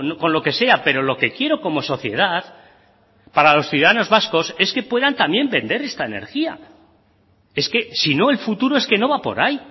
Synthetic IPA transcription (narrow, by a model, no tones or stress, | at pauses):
noko̞nlo̞ke̞se̞ape̞ɾo̞lo̞ke̞kje̞ɾoko̞mo̞so̞θje̞̰ð̞að | paɾalo̞sθjuðaðano̞zβasko̞se̞ske̞pwe̞ðant̪amje̞mbe̞nd̪e̞ɾe̞st̪aene̞̰ɾxia̰ | e̞ske̞sino̞e̞lfut̪uɾo̞e̞ske̞no̞βapo̞̰ɾaj